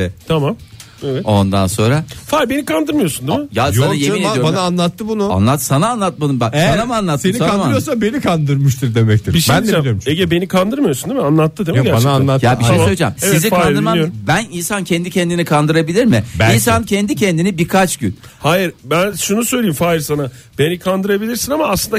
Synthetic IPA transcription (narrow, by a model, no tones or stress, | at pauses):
ɛt̪ʰamam | evɛt̪o̞nd̪anso̞nɾafaɾbe̞nikʰand̪ɯɾmɯjosund̪imɪjajanajeminejobanaːnlˠat̪ːɯbunua̰nlˠat̪ːsanaːnlˠat̪̚mad̪ɯmbaanamanlˠat̪ːseniakanaɾɯjoɾsambe̞nikʰand̪ɯɾmuʃt̪ʰɯɾd̪emɛc̚t̪ʰiɾbiʃbænd̪ilʲimʃeɟɛbe̞nikʰand̪ɯɾmajosund̪imianlˠat̪ːɯd̪emæananlˠat̪ːjabiʃʃejsøjʲed͡ʒɛ̰mseizikaand̪ɯɾmajɾbæninsancʰɛnd̪icʰɛnd̪inikʰand̪ɯɾabilʲiɾmɪbins̬ancʰɛnd̪icʰɛnd̪inibiɾkʰat͡ʃɟy̰nhaːjiɾbænʃunusøjlʲejimfaːjiɾsana | b̥e̞nikʰand̪ɯɾabilʲiɾsinamaːslˠɯnd̪a